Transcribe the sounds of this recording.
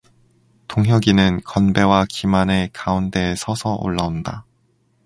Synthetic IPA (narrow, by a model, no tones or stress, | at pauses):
toŋɦjʌɡinɯnkʌnbe̞wakimane̞kaunde̞sʰʌsʰʌʔo̰ɭːanda